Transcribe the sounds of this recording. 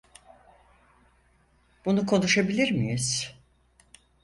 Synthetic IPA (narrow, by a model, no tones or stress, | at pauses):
b̥unukʰo̞nuʃabilʲiɾmijiz̥